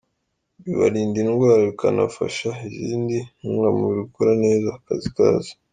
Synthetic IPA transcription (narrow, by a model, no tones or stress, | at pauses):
βiβa̰ɾiːndinɡwaːɾaβikanafa̰ʃaiziːndiŋamuβikoɾane̞ːzakazika̰ːzi̥